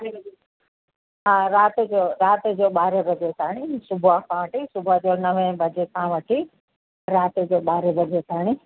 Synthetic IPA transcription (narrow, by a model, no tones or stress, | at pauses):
ɦãːɾaːt̪ed͡ʑoːɾaːt̪ed͡ʑoːɓaːɾebʱɐd͡ʑeːt̪ʰaːɽ̃isʊbʱakʰãʋɐʈisʊbʱad͡ʑoːnɐʋẽbʱɐd͡ʑeːkʰãʋɐʈʰi | ɾaːt̪ed͡ʑoːɓaːɾebʱɐd͡ʑeːt̪ʰaːɽ̃i